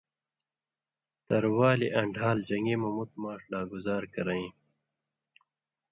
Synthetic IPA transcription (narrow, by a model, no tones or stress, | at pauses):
t̪ɐɾwɑːliʔɐɳɖʱɑːld͡ʑɐŋɡemɐmut̪mɑːʂlaːɡʊzɑːɾkɐɾaĩ